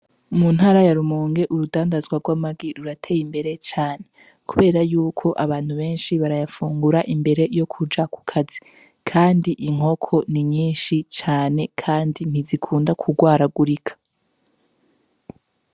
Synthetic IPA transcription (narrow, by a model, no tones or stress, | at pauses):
munhaːɾajaɾumuːŋɡe̞ʔuɾudaːndazɡwaɡwamaɡiɾuɾatʰe̞ːjimbe̞ɾe̞t͡ʃaːne̞ | kuβe̞ːɾajuːkʰo̞ʔaβaːn̥huβe̞ːnʃiβaɾajafuːŋɡuɾaʔimbe̞ɾe̞jo̞kʰud͡ʒakʰu̥kʰazi | kʰaːndiʔiŋ̥ɦo̞kʰo̞niɲiːnʃit͡ʃaːne̞kʰaːndin̥izikʰuːndakʰuɡwaːɾaɡuɾikʰḁ